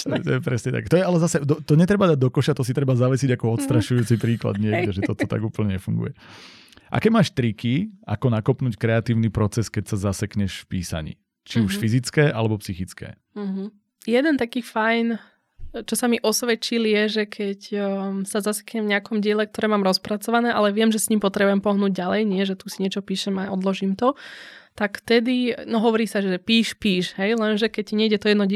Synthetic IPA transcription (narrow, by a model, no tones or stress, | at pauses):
t̪ɛt̪ɔjɛpɾɛsɲɛt̪a̰kɛt̪ɔjɛalɛzasɛd̪ɔt̪ɔɲɛt̪ɾɛbad̪aɟ̚d̪ɔkɔʃat̪ɔsit̪ɾɛbazaʋɛsiɟakɔɔt̪st̪ɾaʃujuːt͡sipɾiːkla̰d̪ɲɪɛɡɟɛʒɛɔt̪ɔt̪a̰ɡuːpl̩ɲɛɲɛfṵŋɡṵjɛ | ʔa̰kɛmaːʃt̪ɾikia̰kɔnakɔpnuːckɾɛat̪iːʊnipɾɔt͡sɛskɛcsazasɛkɲɛʃfpiːsa̰ɲḭː | t͡ʃiuʃfizit͡skɛːʔalɛbɔpsixit͡skɛ̰ː | m̩ɦ̩ | jɛd̪ɛnt̪akiːfajn | t͡ʃɔsamiʔɔsʋɛt͡ʃiljɛʒɛkʰɛcsazasɛ̥kɲɛmvɲɪakɔmɟɪɛlɛkt̪ɔɾɛːmaːmɾɔspɾat͡sɔʋanɛːʔalɛʋɪɛmʒɛsɲiːmpɔt̪ɾɛbujɛmpɔɦnuːɟ̚ɟalɛjɲɪɛʒɛt̪usiɲɪɛt͡ʃɔpiːʃɛmaʔɔd̪lɔʒiːmt̪ɔt̪akft̪ɛd̪inɔɦɔʋɔɾiːsaʒɛɛpiːʃpiːʃɦɛjlɛnʒɛkɛcɲɛiɟɛt̪ɔjɛd̪nɔ